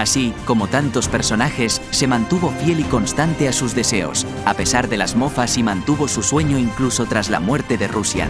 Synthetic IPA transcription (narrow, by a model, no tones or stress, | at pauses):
asiko̞mo̞t̪ant̪o̞spe̞ɾso̞naxe̞sːe̞mãnt̪uβo̞fje̞liko̞nst̪ant̪e̞asuzðe̞se̞o̰s | ape̞saɾðe̞lazmofasimãnt̪uβo̞suswe̞ɲo̞iŋkluso̞t̪ɾazla̰mwe̞ɾt̪e̞ðe̞rusja̰